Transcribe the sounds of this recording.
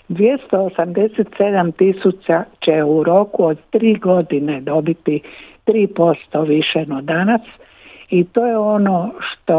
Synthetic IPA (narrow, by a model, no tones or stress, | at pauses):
d̪ʋjest̪oosamd̪e̞set̪sed̪amt̪isut͡sat͡ɕeuɾoːkuod̪t̪ɾiːɡo̞d̪ined̪o̞bit̪it̪ɾiːpo̞st̪oʋiʃenod̪anas | it̪o̞ːjeonoʃt̪o